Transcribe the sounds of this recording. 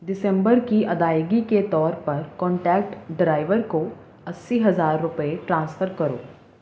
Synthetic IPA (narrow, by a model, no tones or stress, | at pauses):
ɖɪsɛ̃mbəɾkiʔɐd̪aːjɡiket̪ɔːɾpɐɾkɔ̃ːɳʈɛːk̚ʈɖɾaːɪʋəɾko | ɐsːiɦɐzaːɾːʊpəeʈɾãːnsfʰəɾkɐɾo̰ː